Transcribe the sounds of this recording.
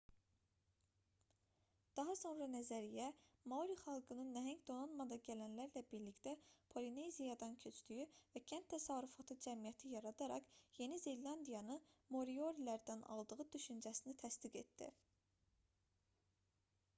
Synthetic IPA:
d̪̥ɑɦɑso̞nɾɑnæzæɾijæmɑuɾiχɑlˠɡɯnɯnːæɦæɲɟd̪o̞nɑnmɑd̪ɑɟælænlæɾlæbiɾlict̪æpʰo̞line̞jzijɑd̪ɑncʰø̞t͡ʃd̪yjyvæcʰænt̪ʰːæsɑɾufɑt̪ʰɯd͡ʒæmijæt̪ʰijɑɾɑd̪ɑɾɑ̰qje̞nize̞lːɑnd̪ijɑnɯnmo̞ɾio̞ɾilæɾd̪ænɑ̰lˠd̪ɯʁɯd̪yʃynd͡ʒæsinit̪ʰæsd̪iɡe̞t̪d̪ḭ

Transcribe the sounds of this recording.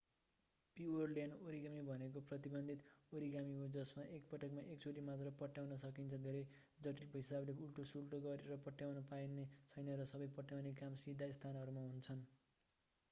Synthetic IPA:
piʌrljanoɾiɡamibʱʌnek̬oprʌt̪ibʌnd̪ʱit̪oɾiɡamiɦod͡zʌsmaʔek̚pʌʈʌkmaʔek̚t͡soɾimat̪rʌpʌʈːjawnʌsʌkint͡sʰʌd̪ʱeɾʌj | d͡zʌʈilkɦisableulʈosulʈoɡʌɾeɾʌpʌʈːjawnʌpajnet͡sʰʌjnʌɾʌsʌbʌjpʌʈjawnekamsid̪ʱast̪ʰanɦʌɾumaɦunt͡sʰʌn

